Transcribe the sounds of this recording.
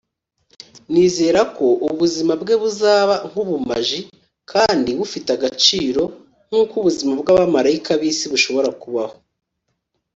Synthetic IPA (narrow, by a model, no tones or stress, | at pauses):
niːze̞ːɾako̞ʔuβuzimabɡe̞ːβuzaːβaŋ̥huβumaʒi | kʰaːndiβufitaɡat͡ʃiːɾo̞ | ŋ̥uːkuβuzimabɡaːβamaɾaikaβiːsiβuʃo̞βo̞ɾakuβaho̞